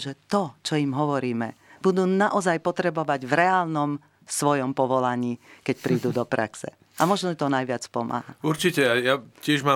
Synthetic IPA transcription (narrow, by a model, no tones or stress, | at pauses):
ʒɛt̪ɔt͡ʃɔjimɦɔʋɔɾiːmɛ̰b̥ud̪uːnaʔɔzajpɔt̪ɾɛbɔʋaɟvɾɛaːlnɔm | sʋɔjɔmpɔʋɔlaɲiːkɛcpɾiːd̪uːd̪ɔpɾa̰ksɛ̰ | amɔʒnɔt̪ɔnajʋɪat͡spɔma̰ːɦauɾt͡ʃicɛajacɪɛʒma